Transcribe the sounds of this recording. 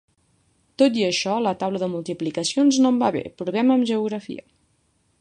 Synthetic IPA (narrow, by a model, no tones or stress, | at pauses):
t̪ot̪iəʃɔlət̪awləðəmulˠt̪iplikəsionznombaβḛpɾuβɛməːmʒəuɣɾəfḭə̰